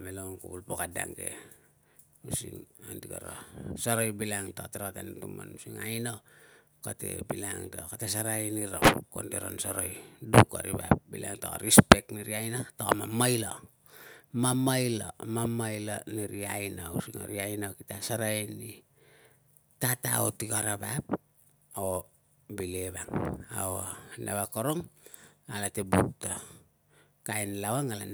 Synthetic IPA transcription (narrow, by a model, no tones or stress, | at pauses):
melonkubulpokada̰ŋɡe̞̰ | usḭnandiɡaɾasaɾojbilaŋtateɾatantumanusiŋajna | kate̞̰bilaŋtakatesaɾajniɾakondeɾonsoɾojduka̰ɾibabilaŋtoɾispe̞kniɾiajnatoamamajla | mamajlo̰mamajloniɾiajnawsiŋa̰ɾiajnawkitasaɾajni | tata̰otikaɾabap | o | bileβaŋa̰ona̰βakoɾoŋalatebutto | kajnlawaŋalan